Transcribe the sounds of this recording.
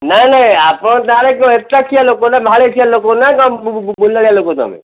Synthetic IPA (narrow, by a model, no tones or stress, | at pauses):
nanãapɔ̃t̪aɾekeet̪ak̪ʰijalokonabʱaɭet̪ʰialokonakɔmbolaɽialokot̪ɔ̰mḛ̃